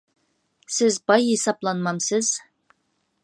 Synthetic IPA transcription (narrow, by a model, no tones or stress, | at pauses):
sɪzbɑjːesɑplˠɑnmɑmsəz̥